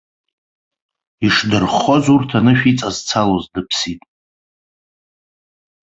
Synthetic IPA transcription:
iʂdɨrχozurtʰanɨʃᶣit͡sʼazt͡sʰalozdɨpʰsitʼ

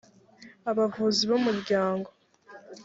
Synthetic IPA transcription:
aβavuːziβomuɾɟaːŋɡo̞

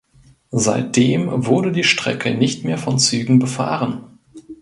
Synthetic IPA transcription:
za̰ɪt̚d̥eːmvʊɐɾədiːʃtʁ̥ɛ̰kʰənɪçtmeːɐfɔnt͡syːɡŋ̩bəfa̰ːʁən

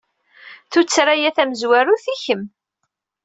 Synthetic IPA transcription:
θut͡sːɾajæθæməzwæɾuθiçəm

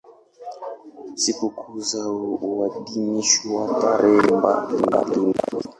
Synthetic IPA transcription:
sikukʰuzauwaɗiɲiʃiwapaɾɛmba̰mba̰ɗuna

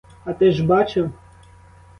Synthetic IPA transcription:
ɐt̪ɪʒbɑt͡ʃɪw

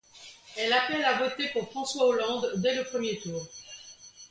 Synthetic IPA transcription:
ɛlapɛlavot̪epuʁfχɑ̃swaolɑ̃d̪ːɛləpχəmjet̪uːʁ

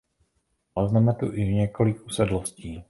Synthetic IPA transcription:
aznɛmɛt̪uʔɪɲɛko̞lɪkusɛdlosciː

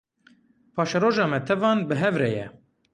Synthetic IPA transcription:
pʰɑːʃɛɾoːʒɑːmɛt̪ʰɛvɑːnbɨɦɛvɾɛjɛ̰

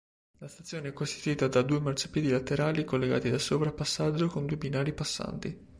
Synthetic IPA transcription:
last̪at̪sːjoːneɛkːost̪it̪uiːt̪ad̪ad̪uːemarsḁpjiːd̪ilat̪ːeɾaːlikolːeɡa̰ːt̪id̪asoːpɾapːasːad͡ʒːokond̪uebinaːɾipasːa̰nt̪i

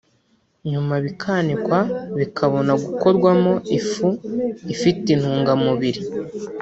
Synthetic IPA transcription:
ɲumaβikʰaːnikwaβikʰaβo̞naɡuko̞ɾɡwamo̞ifuifitin̥huːŋɡamuβiɾi

